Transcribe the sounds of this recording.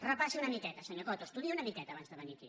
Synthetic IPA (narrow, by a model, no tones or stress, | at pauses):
rəpasiunəmikɛt̪əsəɲokɔt̪oəst̪uðieunəmikɛt̪aəːβanzðəβənikḭ